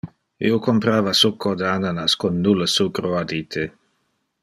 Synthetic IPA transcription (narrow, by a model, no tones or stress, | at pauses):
ḭokompɾaːvasukːod̪əananaskonːuləsukɾoad̪iːt̪ʰe